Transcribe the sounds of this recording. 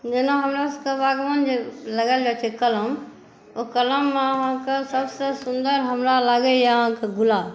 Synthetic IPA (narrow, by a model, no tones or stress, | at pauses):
d͡ʒenãɦəmɾaskebaːɡmənd͡ʒeləɡəld͡ʒat͡ʃʰekələm | okələmːeɦãkesəbsesʊ̃nd̪əɾɦəmɾalaɡejaɦãkeɡʊla